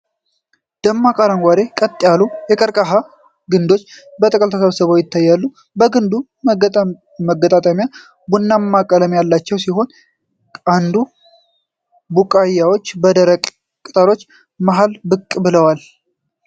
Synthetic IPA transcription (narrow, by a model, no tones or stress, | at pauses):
d̪̥əmːakʼaɾaŋɡʷad̪e̞kʼət̪ʼːɪjalujɛkʼəɾkʼaɦa | ɡɨnd̪o̞t͡ʃːbət̪ʼəkʼəlt̪ʰəsəβsəβojɪt̪ʰːajːalːu | bəɡɨnd̪u | məɡət̪ʼat̪ʼamja | bunːamːakʼələmjalːat͡ʃːɛwsiɦo̞n | and̪u | bukʼajːawo̞t͡ʃːbəd̪əɾəkʼ | kʼɨt̪ʼəɾo̞t͡ʃː | maɦalbɨkʼːbɨləwal